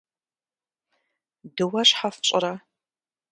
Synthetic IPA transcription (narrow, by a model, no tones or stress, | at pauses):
dɨwɐɕħaft͡ʃʼɪɾɐ